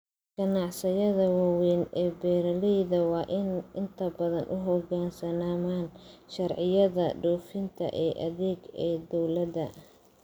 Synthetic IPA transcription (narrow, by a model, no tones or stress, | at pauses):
ɡ̥ɐnɑʕsɐjɐðɐwɑwɛːnɛːbɛːɾɐlɛjðɐwɑːʔɪnʔɪnt̪ʰɐbɐðɐnʔʊɦɔɡaːnsɐnaːmaːnʃɐrʕɪjɐðɐɖɔːfɪnt̪ʰɐ̰ʔɛːʔɐ̰ðɛːɡɛːd̪ɔwlɐd̪ɐ